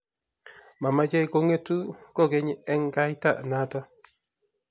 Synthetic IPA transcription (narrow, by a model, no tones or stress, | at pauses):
mamad͡ʒajkoŋetukoɡeɲeŋɡajta̰nata